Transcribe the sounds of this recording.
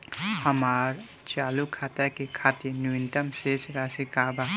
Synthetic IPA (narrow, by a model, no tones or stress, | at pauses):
həmaɾ | t͡ʃaːlukʰat̪akekʰaːt̪inuɪntəmsesɾasikaːba